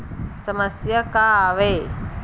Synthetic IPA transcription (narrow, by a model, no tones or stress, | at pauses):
sɐməsjəkaːʋeː